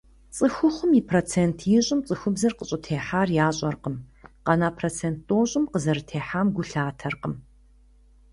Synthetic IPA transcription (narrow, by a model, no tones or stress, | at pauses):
t͡sʼɨxʷʊχʷʊmiːpʰroːt͡sʰeːntʰjɪɕʼɪmt͡sʼɨxʷʊbzɐrqəɕʼɪtʰeːħaːrjaːɕʼɐrqəmqɐnaːpʰroːt͡sʰeːnt̚oːɕʼʊmqəzɐɾɨtʰeːħaːmɡʷʊɬaːtʰɐrqəm